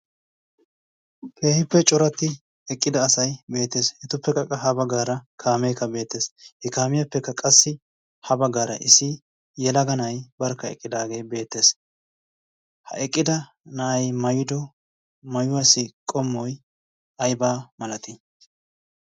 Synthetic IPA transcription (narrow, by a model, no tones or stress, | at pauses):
kʰe̞ːhɪpːɛt͡ʃʼɔɾɐt̪ːɪ | ɛkʼːɪd̪ɐːsɐjbe̞ːt̪ːeːshɛt̪ʊpːɛkːɐkʼɐɦɐbɐɡaːɾɐkʰaːmeːkːɐbe̞ːt̪ːeːshɛkaːmɪjɐpːɛkːɐkʼɐsːɪ | hɐbɐɡaːɾɐ̰ʔɪsɪ | jɛlɐɡɐnɐjbɐɾkːɐɛ̰kʼːɪd̪aːɡe̞ːbe̞ːt̪ːe̞ːs | hɐ̰ɛkʼːɪd̪ɐ | nɐʔɐjmɐjʊd̪ɔ | mɐjʊwɐsɪkʼɔmːɔj | ɐjbaːmɐlɐt̪ɪ